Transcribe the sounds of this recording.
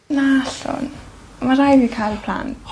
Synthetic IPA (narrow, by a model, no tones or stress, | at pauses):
naaɬʊ̰n | amaɾajdinkʰajlˠəpʰl̥a̰nt